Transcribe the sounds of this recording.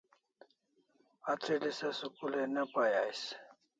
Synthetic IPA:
at͡sʰilisɐsukulenɐpajajs

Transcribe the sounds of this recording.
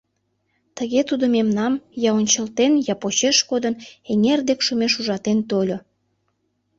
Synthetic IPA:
t̪əɣet̪ud̪omemnɑmjɑonʲt͡ɕəlt̪enjɑpot͡ɕeʃkod̪əneŋerd̪ekʃumeʃuʒɑt̪ent̪olʲo

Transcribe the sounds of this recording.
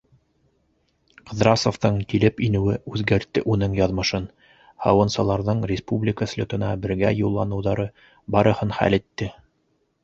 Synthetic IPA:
qɤ̆ðɾɑsŏft̪ɤɴkilɘpinɘ̆wɘʉðɡæɾt̪ːɘʔunɤɴjɑðmɤ̆ʃɤn | hɑ̰wɤ̆nsɑlˠɑɾðɤɴrʲɪspublʲɪkəslʲot̪ɤ̆nɑbɘ̆ɾɡæ̰julˠːɑnɤ̆wðɑɾɤ | bɑɾɤ̆hɤnχæ̰lɘ̆t̪ːɘ

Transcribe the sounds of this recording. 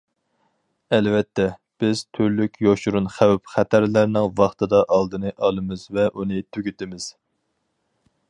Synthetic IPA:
ɛlvɛt̪ʰːɛ | b̥ɪz̥t̪ʰyɾlykʲjoʃuɾunχæwpχæt̪ʰæɾlæɾnɪŋvɑχt̪ʰɨd̪ɑʔɑlˠd̪ɨnɨʔɑlˠɨmɨzvɛʔunɨt̪ʰyɡʲyt̪ɪmɪz̥

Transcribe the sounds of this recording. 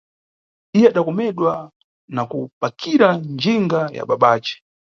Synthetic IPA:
ijɛaɗakɔmɛɗwa | nakupakʰiɾand͡ʒiŋɡaja̰ɓaɓaːt͡ʃɛ̥

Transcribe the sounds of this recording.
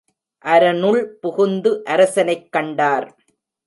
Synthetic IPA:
ʔɐɾɐnɯɭpʊɣʊnd̪ɯʔɐɾɐsɐnɐɪkːɐɳɖaːɾ

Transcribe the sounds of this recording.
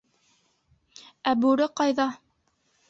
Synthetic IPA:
æbʉɾɘqɑjðɑ

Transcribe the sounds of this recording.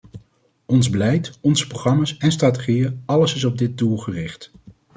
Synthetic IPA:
ɔnzbəlɛjtɔnzə̥proχrɑmaːsɛnstraːt̬eχijəɑləsɪs̬ɔb̚dɪd̚dulˠχərɪχt

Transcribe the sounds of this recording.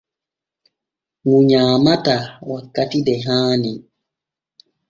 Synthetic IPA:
ŋuɲaːmatawakːatidɛɦaːni

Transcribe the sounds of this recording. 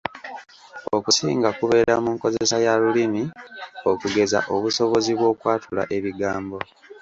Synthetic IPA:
okusḭːŋɡakuβe̞ɾamuːŋko̞zee̞sajalulimio̞kuɡe̞za̰ʔo̞βuso̞βo̞ziβwo̞ːkwaːtʰula̰ʔe̞βiɡaːmbo̞

